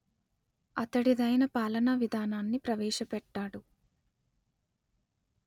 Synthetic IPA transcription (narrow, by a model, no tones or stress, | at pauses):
ɐt̪ɐɽid̪ɐjnɐpaːlɐnɐʋid̪ʱaːnaːnːipɾɐʋɛːʃɐpɛʈːaːɽu